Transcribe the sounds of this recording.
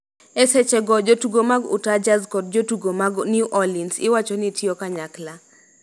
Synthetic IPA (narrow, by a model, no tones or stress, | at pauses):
ɛsɛt͡ʃɛɡɔd͡ʒotuɡomaɡʊ̰tad͡ʒazkɔd̚d͡ʒotuɡomaɡnjuʔɔlinsɪ̰wat͡ʃɔnɪtʰjokaɲakla